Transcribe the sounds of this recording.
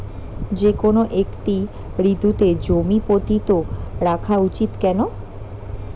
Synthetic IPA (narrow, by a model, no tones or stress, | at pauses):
d͡ʑekonoʔekʈi | ɾit̪ut̪ed͡ʑomipot̪it̪oɾakʰaut͡ɕit̪kɛno